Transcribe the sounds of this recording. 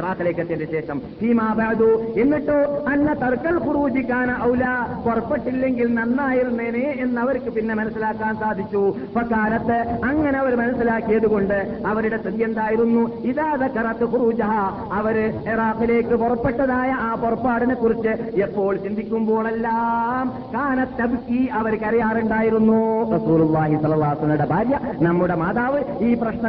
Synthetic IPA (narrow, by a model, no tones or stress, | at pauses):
eraːkːileːkːɐt̪ːendeɕe̞ːʂɐmpiːmaːbʱaːd̪uːe̞nːiʈːoːɐnːɐt̪ɐrkːɐlkuruːd͡ʑikʲːaːnɐʔɐwlaːporɐpːeʈːilːe̞ŋɡilnɐnːaːjiɾunːeneːenːɐʋɐɾkːɨpinːe̞mɐnɐsːilaːkːaːnsaːd̪ʱikʲːu | pɐkːaːlɐt̪ːɨɐŋːɐneɐʋɐɾmɐnɐsːilaːkːijɐðuɣo̞ɳɖɨ | ɐʋɐɾuɽe̞st̪ɐðijend̪aːjiɾunːuiðaːðɐkːɐɾɐt̪ːɨxuruːd͡ʒɐɦa | ɐʋɐɾɨiraːqile̞ːkːɨpɔrɐpːe̞ʈːɐðaːjɐʔaːpɔrɐpːaːɽinekːurit͡ɕːɨepːo̞ːɭt͡ɕind̪ʱikʲːumbo̞ːɭelːaːm | kaːnɐt̪ːɐbkiɐʋɐɾkɐɾɐjaːruɳɖaːjiɾunːurɐsuːlulˠːaːɦisɐlːɐlˠːaːɦɐɐsɐlɐmuɽe̞bʱaːɾjɐnɐmːuɽe̞maːðaːʋɨiːprɐɕnɐ